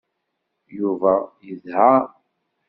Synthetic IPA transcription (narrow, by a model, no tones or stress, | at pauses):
juvæjəzha